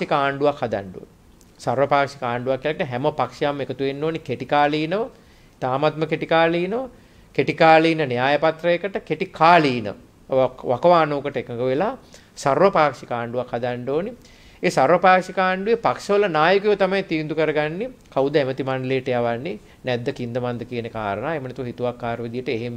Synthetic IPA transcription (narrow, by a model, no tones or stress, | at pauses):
ikɐaːɳɖuʋakhad̪a̰ɳɖo̰ːni | sarʋɐpaːkʂi̥kaːɳɖuʋakːijlakʈəɦɛməpakʂɐjamːekət̪uʋenːoːnikeʈikaːliːnɐʋə | t̪aːmat̪məkeʈikaːliːnəʋə | keʈikaːliːnɐnijaːjɐpat̪ɾɐjekəʈəkeʈikʰaːliːnə̰ | ʋakɐʋaːnoːkəʈəekɐŋɡəʋelaː | sarʋɐpaːkʂikaːɳɖuʋakhad̪aɳɖoːni | eːsaɾʋɐpaːkʂikaːɳɖuʋepakʂɐʋɐlɐnaːjukujʋɐt̪amajt̪iːnd̪ukəɾɐɡanːekawd̪əæmət̪imanɖleːʈɐjaʋanːe | nɛd̪ːəkind̪əmand̪əkiənəka̰ːɾənaːemənɛt̪uɦit̪uʋakːaːɾʋəd̪ijəʈəeɦem